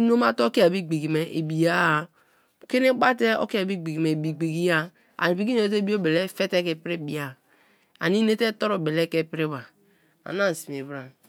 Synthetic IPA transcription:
no˦ma˦to˦ki˦a˨bi˦ɡ͡bi˨ɡi˨me˨ʔḛ˨bi˨ja˦˨ | ke˦ne˦k͡pa˦te˦o̰˦ki˦a˨bi˦ɡ͡bi˨ɡi˨me˨bi˨ɡ͡bi˨ɡi˦ja˦ | a̰˨i˨pi˦ɡi˦o˨e˦t̬e˦bi˦o˦be˨le˦fe˦te˦ke˨pɾe˦˨bi˨a˨ | a̰˨ni˦ne˦te˦to˦ɾo˨be˨le˦ke˦pi˦ɾe˦ba˨ | a̰˨na˦˨si˨m˨e˨bɾa˨

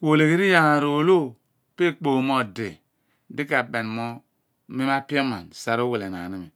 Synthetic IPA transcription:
kʷo˨le˨ke˦ɾi˦ja˨ŋa˨ɾo˨lo˦ | pe˦k͡po˨mo˦˨dḛ˨ | di˦ka˨be˨nmo˦ | me˦ma˦pi˦o˦ma̰˨nsa˨ɾo˦we˨le˨n˨a̰˨ni˦mi˨

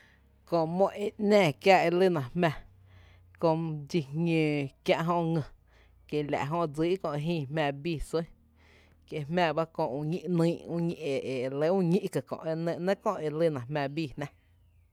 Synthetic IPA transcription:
kõ˧ʔmõ˧˨ʔe˧˨nɛ̃ː˦˧˨kja˧ʔe˧lɨ˦˨nã˨hmɛ̃˧˨ | kõ˧d͡ʒi˧hŋẽː˧˨kjã˧ʔɦõ˧ŋə̃˧ | ke˨lʲa̰˨ʔɦõ˧d͡ziː˦kõ˧ʔe˧ɦĩː˦˧˨hmæ̃ː˧biː˦˧˨sə̃˦ | ke˧˨hmæ̃ː˧ba˦kõ˧˨ũ˧ɲĩ˦ʔnĩː˦ʔũ˦ɲĩ˧ʔe˨ʔe˨le˧˦ũ˦ɲĩ˦ʔkə˨kõ̰˨ʔe˧nə̃˧˨ʔnə̃˦kõ˦˨e˧lɨ˦nã˨hmæ̃˧˨biː˧˨hnã˦

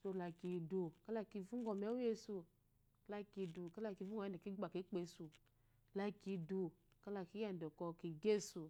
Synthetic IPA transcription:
so˧la˧ki˧˨du˧ka˦la˧˨ki˧˨vu˦ŋ˦ɡɔ˧˨mɛ˨˦u˦je˧su˧˨ | la˧ki˧du˨ka˦la˧˨ki˧vu˦ɡɔ˨a˧˦˨ɛ˨ki˦ɡ͡ba˨ki˨˦k͡pe˧su˧ | la˧ki˧du˧ka˦la˧˨ki˦a˦˨n˨dɔ˨kɔ˧ki˨ɡe˦su˨

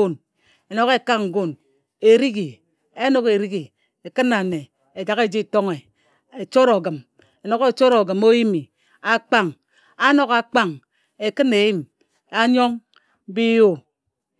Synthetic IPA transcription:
o˦˨n | e˨no˨ɣe˦ka˦ŋ̩˨ɡo˦n | e˨ɾi˦ɡi˨ | e˦no˦ke˨ɾi˦ɡi˨ | e˨kɨ˦nːa˨ne˨ | e˨d͡ʒa˨ɣe˦˨d͡ʒi˦˨to˦ŋe˨ | e˨t͡ʃo˦ɾo˨ɡɨ˨m | e˨no˨ɣe˦t͡ʃo˦ɾo˨ɡɨ˨mo˦ji˦mi˨ | a˦k͡pa˦ŋ | a˦no˦ɣa˨k͡pa˦˨ŋ | e˨kɨ˦ne˨ji˦m | a˦ɲo˦ŋ˦ | bi˦jo˦˨

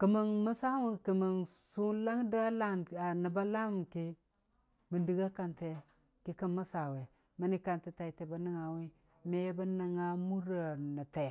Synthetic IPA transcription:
kə˨mə˨ŋmə˦sa˦wu˨kə˨mə˨nsu˦la˦ŋ˦da˦la˦na˨nə˨ba˦la˦m˨ki˦ | mə˨di˨ɡa˦ka˨nte˨ | ki˦kə˦mə˦sa˨we˨ | mə˦ni˦ka˨nte˦ta˨i˨te˨ba˨ni˦ŋa˨wi˦ | me˦ba˦na˨ŋa˦mu˦ɾa˨na˨te˨

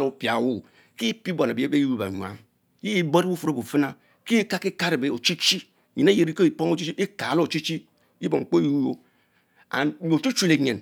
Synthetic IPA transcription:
lo˦pja˨wu˦˨ | ki˦pi˦bo˨na˨bbe˦i˦ɾu˦ba̰˨ɲʷ˨a̰˨˦ŋ | ji˦ji˦bo˦ɾbu˦fu˨ɾo˦bu˨fɨ˦na˦ | ki˦ka˦ki˦ka˦ɾe˨be˨o˨t͡ʃi˦t͡ʃi˦˨ | ɲi˨na˦je˨ɾi˦ko˦i˨po˦ŋ˦o˦t͡ʃi˦t͡ʃi˦ʔi˦ka˨˦lo˦˨t͡ʃi˦t͡ʃi˦ | i˦bo˨ŋ̩˨k͡po˦u˦jo˦ | a̰˨o˨t͡ʃu˦t͡ʃu˦le˨ɲe˨n

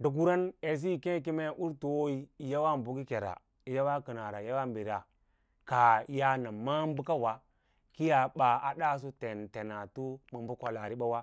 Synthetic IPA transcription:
du˨ɡu˦ɾa˦ne˨s̬i˦˨ke˦ki˦me˦ʔu˦ɾtu˨o˦i˦i˦˨ja˦wa˦m˨bu˨ki˦ke˨ɾa̰˨ | i˨ja˦wa˦kə˨na˨ɾa˨ja˦wa˦m˨bi˨ɾa˨ | ka˨i˨ja˦na˨ma˦m˦bu˦ka˦wa˨ | ki˦ja˨ɓa˨a˨da˦s̬u˦te˨nte˨na˨tu˦mu˨m˦bu˦kʷa˨la˨ɾi˦ɓa˦wa˦

